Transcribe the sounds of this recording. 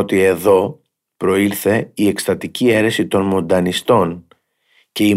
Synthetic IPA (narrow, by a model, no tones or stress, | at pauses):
ot̪ie̞ðo̞ | pɾo̞iɾθe̞ie̞kst̪ɐt̪icie̞ɾe̞sit̪o̞nmo̞nd̪ɐnist̪o̞n | ce̞i